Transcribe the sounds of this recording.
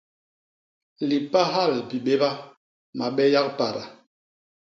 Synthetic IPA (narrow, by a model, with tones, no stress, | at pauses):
li˨pa˦ɦa˦˨lpi˨ɓe˦ba˦ | ma˨ɓɛ˦ja˦k̚pa˨ɾa˨